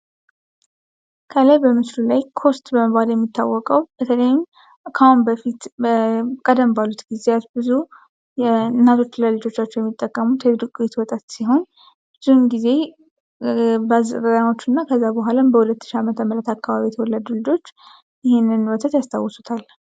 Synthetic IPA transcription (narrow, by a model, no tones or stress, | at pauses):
kʰəlajbəmɨslulajkʰo̞st̪bəməβaljɛmːit̪ʰːa̰wːɔkʼəwbət̪ʰələjm | kʰahunbəfit̪ | kʼəd̪əmbalut̪ɡizeat̪bɨzu | jɛɨnːat̪ʰo̞t͡ʃːləlɨd͡ʒo̞t͡ʃːat͡ʃːɛwjɛmːit̪ʼːəkʼːəmut̪ʰədɨkʼuet̪wɔt̪ʼat̪siɦo̞n | bɨzuhnɡize̞ | bəazɾəɾano̞t͡ʃːɨnːakʰəzːabəɦalambəhulət̪ːɨ̥ʃiamət̪ʰəmːəɾət̪akːaβaβijɛt̪ʰəwɔlːad̪ulɨd͡ʒo̞t͡ʃː | jɪhenːɨnwɔt̪ʰət̪jast̪ʰa̰wːɔsu̥t̪ʰal